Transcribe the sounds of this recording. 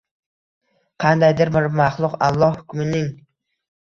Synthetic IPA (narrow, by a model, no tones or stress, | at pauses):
qʰɑnd̪ajd̪ɪɾmɪɾmɑχlˠʊqɑ̰lˠːɒhhʊkʲmɪnɪŋ